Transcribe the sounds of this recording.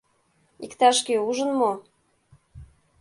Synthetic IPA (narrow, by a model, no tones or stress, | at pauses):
ikt̪ɑʃkeuʒə̆nmo